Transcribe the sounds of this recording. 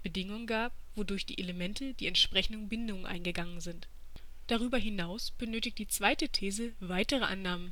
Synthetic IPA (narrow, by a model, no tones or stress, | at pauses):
b̥ədɪŋʊŋənɡaːp̚v̥odʊɐçd̥ḭːʔeləmɛntʰəd̥iːɛntʃpʁ̥ɛçn̩dən̩bɪndʊŋənʔa̰ɪnɡəɡaŋənzɪnt | d̥aʁ̞yːbɐɦɪnaʊsb̥ənøːtɪktd̥iːt͡sv̥aɪtətʰeːzəvaɪtəʁ̞əʔa̰nːaːmən